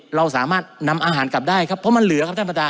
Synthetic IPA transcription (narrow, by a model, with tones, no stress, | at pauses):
ɾa˧wsaː˩˦maː˥˩t̪̚na˧mʔaː˧ɦaː˩˦nka˨˩p̚daː˥˩jkʰa˦˥pʰːɔ˦˥ma˧nlɯ˩˦ɐkʰp̚t̪ʰa˥˩pa˧˩daː˧